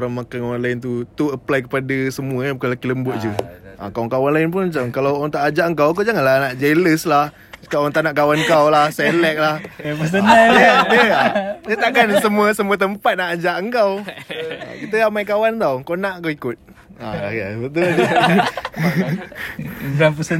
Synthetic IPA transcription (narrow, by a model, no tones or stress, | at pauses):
ɾaŋmakanoɾanlaɪnt̪̬ut̪uəplajk̬əpadəsəmuəjabukanlakiləmbʊʔ̚d͡ʒəʔa̰kawaŋkawanlaɪnp̬ʊnmat͡ʃamkalawaŋt̪aʔad͡ʒaʔəŋkawk̬awd͡ʒaŋanlahnaʔd͡ʒeləslah | sə̥kaaŋt̪aʔnaʔkawankawlahselɛk̚lahpəs̬ənjadəd͡ʒət̪aʔkansəmuəsəmuət̪̬əmpat̪̚naʔad͡ʒaʔəŋkawa̰kit̪əamajkawant̪awkawnaʔkawikʊt̪̚ | aa̰a̰bət̪̬ʊld͡ʒ | apəsə